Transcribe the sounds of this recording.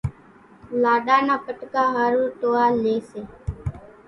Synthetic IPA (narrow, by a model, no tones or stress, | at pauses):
laːɗaːnaːpəʈkaːɦaːɾuːɾʈoːaːleːseː